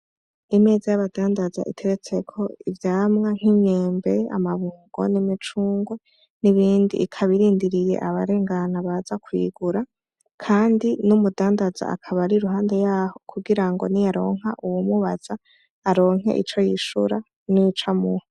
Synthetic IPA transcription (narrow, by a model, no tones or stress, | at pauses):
ime̞ːzajaβadaːndaza̰ʔḭtʰe̞ɾet͡se̞kʰo̞ivjaːmŋaŋ̥hiɲeːmbe̞a̰maβuɡ̥o̞̰nimit͡ʃuːŋɡwe | niβiːndḭːkʰaβiɾiːndiɾije̞̰ʔaβaɾeːŋɡanaβazakwḭɡuɾa | kʰaːndinumudaːndaza̰a̰kʰaβaɾiɾuɦaːnde̞jaːho̞kʰuɡiɾaŋɡonijaɾo̞̰ːŋ̥ɦaʔuwumuβaz̥aː | ɾo̞ːŋɦe̞̰ʔḭt͡ʃo̞jiʃṵɾa | nit͡ʃamuho